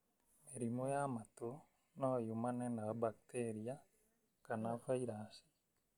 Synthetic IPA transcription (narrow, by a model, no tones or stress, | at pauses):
eɾimojamat̪o | najumanɛnaabak̚t̪ʰeɾia | kanafaiɾasi̥